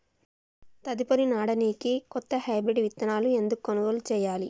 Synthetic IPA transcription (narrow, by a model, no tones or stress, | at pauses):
t̪ɐd̪ipɐɾinaːɽɐniːkikɔt̪ːɐɦɐjbɾiɖiʋit̪ːɐnaːlue̞nd̪ukːɐnuɡoːlut͡ʃɛːjaːli